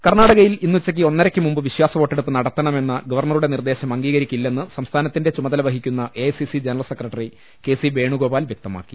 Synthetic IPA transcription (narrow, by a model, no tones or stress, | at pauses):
kɐrnaːɽɐɣɐjilinːut͡ɕːɐk̬ʲːio̞nːɐɾɐkʲːɨmumbɨʋiɕwaːsɐʋoːʈːe̞ɽupːɨnɐɽɐt̪ːɐɳɐmenːɐɡɐʋɐrɳɐruɽe̞nird̪e̞ːɕɐmɐŋɡiːɣɐɾikʲːulːe̞nːɨsɐmst̪ʰaːnɐt̪ːinde̞t͡ɕumɐðɐlɐʋɐɦikʲːunːɐʔesisid͡ʑenɐrɐlsekrɐʈːɐri | ke̞ːsibe̞ːɳuɡo̞ːbaːlʋjɐk̚t̪ɐma̰ːkːi̥